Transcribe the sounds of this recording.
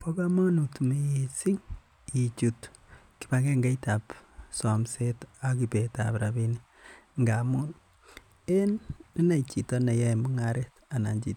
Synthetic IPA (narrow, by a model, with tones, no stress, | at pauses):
po˦ka˦ma˦nu˨tme˦e˨si˦ŋ | i˨t͡ʃut | ki˨ba˦ke˦ŋɡa˦ita˨psɔ˨mse˦ta˨ki˨pe˨ta̰pɾabi˦ni | ŋɡa˨mu˦n | e˦nni˦na˨it͡ʃi˨tɔ˦na˨ja˦mu˦ŋa˨ɾe˦ta˨na˨ɲd͡ʒḭ˨t